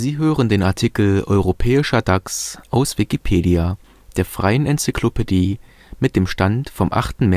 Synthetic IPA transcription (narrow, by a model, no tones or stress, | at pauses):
ziːɦøːʁəndeːnaɐtʰiːkl̩ɔ̰ʏʁopʰɛːɪʃɐdaksʔaʊsv̥ikipʰeːdia | d̥eːɐfʁ̥aɪənʔɛnt͡sɪkʰlopʰediː | mɪt̚d̥eːmʃtantfɔmʔa̰χtn̩mɛ